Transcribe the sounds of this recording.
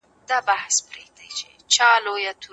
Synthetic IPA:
d̪̥ɑbahspɾeɡ̚d̪a̰jt͡ʃe | t͡ʃɑlojat̪ʰu

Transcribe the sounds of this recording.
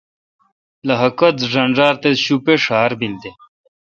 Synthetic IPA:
lɐɦɐkɐt͡sʐɐɳʐaːɾt̪eɕupeʂaːɾbint̪e

